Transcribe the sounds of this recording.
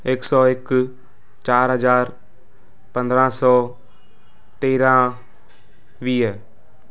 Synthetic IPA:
ɪksɔːɪk | t͡ʃaːɾɦəzaːɾ | pə̃nd̪ɾãːsɔː | t̪eːɾãː | ʋiːɦɛː

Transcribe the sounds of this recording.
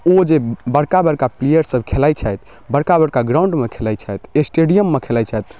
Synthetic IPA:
od͡ʒebəɽkabəɽkaplijəɾsəbʱkʰelajt͡ʃʰəjt̪ | bəɽkabəɽkaɡɾãuɳɖmekʰelajt͡ʃʰajt̪esʈeɖijəmːekʰelat͡ʃʰajt̪

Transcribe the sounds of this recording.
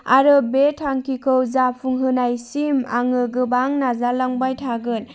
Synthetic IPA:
aɾɯbetʰaŋkʰikʰɯwzapʰuŋɦɯnajsimaŋɯɡɯbaŋnazalaŋbajtʰaɡɯn

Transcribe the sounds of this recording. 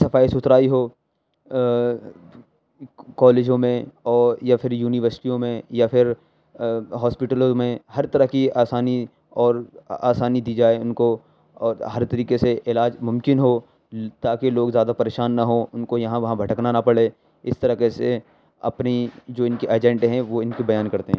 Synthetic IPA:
sɐfaːisʊt̪ɾaːiɦoː | kɔːleːd͡ʒõmẽɔːɾjapʰɪɾjuːnɪʋəɾsɪ̥ʈijõmẽjapʰɪɾ | ɦɔːspɪʈəlõmẽhɐɾt̪ɐɾəɦkiaːsaːni | ɔːɾaːsaːnid̪iːd͡ʒaːeʊnko | ɔːɾɦɐɾt̪ɐɾiːkeseʔɪlaːd͡ʒmʊ̃mkɪnɦo | t̪aːkeloːɡzjaːd̪apɐɾeːʃaːnːɐɦõʊnkojɐɦãʋɐɦãbʱɐʈəknanɐpɐɽe | ɪst̪ɐɾəɦkese | ɐ̰pnid͡ʒoːɪ̃nkiʔeːd͡ʒɛ̃ɳʈɦɛ̃ʋoɪnkibɐjaːnkɐɾt̪eɦɛ̃

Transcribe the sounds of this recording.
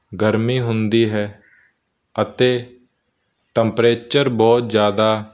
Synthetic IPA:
ɡəɾmiːɦʊnd̪iːɦɛː | ət̪eː | ʈəmpɾeːt͡ʃəɾbɔːt̪zjaːd̪aː

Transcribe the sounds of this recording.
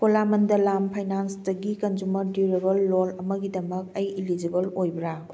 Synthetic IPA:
polamɐndɐlampʰɐjnansdɐɡikɐnd͡ʒumɐɾdiɾebɐlːolɐmɐɡidɐmɐkɐjilid͡ʒibɐlojbɾa

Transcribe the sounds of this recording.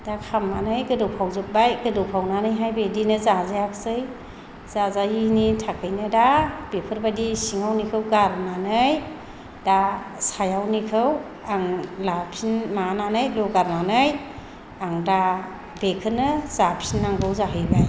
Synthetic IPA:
d̥akʰamːanɯjɡɯdɯwpʰawzɯk̚bajɡɯdɯwpʰawnanɯjɦajbejdinɯzazajakʰsɯj | zazajinitʰakʰɯjnɯdab̥epʰɯɾbadisiŋawnikʰɯwɡaɾnanɯj | da | sajawnikʰɯw | aŋlapʰsinmananɯjlɔɡaɾnanɯj | aŋda | bekʰɯnɯzapʰsinːaŋɡɯwzaɦɯjbaj

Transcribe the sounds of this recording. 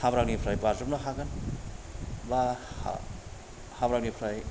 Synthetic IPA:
habɾak̚nipʰɾajbaɾzɯp̚naɦaɡɯn | baha̰ | habɾaknipʰɾaj

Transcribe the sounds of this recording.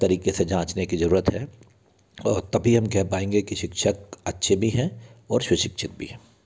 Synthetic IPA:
t̪ɐɾiːkesed͡ʒãːt͡ʃnekizɐɾuːɾət̪ɦɛ | ɔːɾt̪ɐbʱiɦɐmkɛɦpaːẽːŋɡekiʃɪkʃəkɐtːʃʰebʱiɦɛ̃ɔːɾʃʊʃɪkʃʰɪt̪̚bʱḭɦɛ̃ː

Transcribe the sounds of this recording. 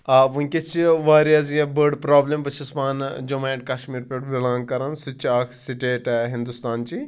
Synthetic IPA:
aʋuŋkʲest͡ʃiʋaːɾijɐziebəɖpɾaːblʲembɐsispaːnd͡ʒɐmaːeʈ̚kaʃmiːɾpʲeʈbilãːŋɡkɐɾɐnsut͡ʃaːkʰsiʈeːʈɦĩnd̪ust̪aːnt͡ʃi

